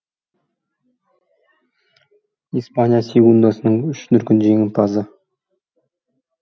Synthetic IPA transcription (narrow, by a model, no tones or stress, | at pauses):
ispanʲijasʲeɡund̪ɑsənəɴʏʃnʏɾkʲɪnʒeŋʲɪnt̪ʰɑzə